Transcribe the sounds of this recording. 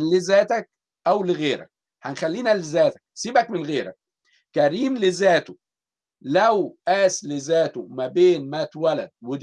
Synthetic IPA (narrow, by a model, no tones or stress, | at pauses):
lɪzæːt̪æk̚ | ʔæwlɪɣeːɾæ̰k̚ | hanxælːiːnælɪzæːt̪æ̥k̚siːbækmɪnɣeːɾæ̰k̚ː | æɾiːmlɪzæːt̪ʊ | læwʔæːslɪzæːt̪omæbeːnmæːt̪wælæd̪̚wɪd̪